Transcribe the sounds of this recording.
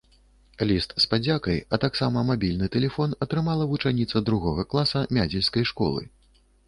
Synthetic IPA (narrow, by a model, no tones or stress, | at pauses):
lʲist̪spad͡zʲakɐjɐt̪aksamɐmabʲilʲnɨt̪ɛlʲɛfɔnɐt̪ɾɨmalˠɐvut͡ʂanʲit̪sɐd̪ɾuɣɔɣɐklˠasɐmʲad͡zʲɛlʲskɐjʂkɔ̰lˠɨ̰